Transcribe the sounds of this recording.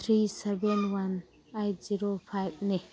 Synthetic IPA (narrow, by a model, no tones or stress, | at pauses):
t̪ʰɾisɛvɛ̃nwan | ajziɾofʰajvnɛ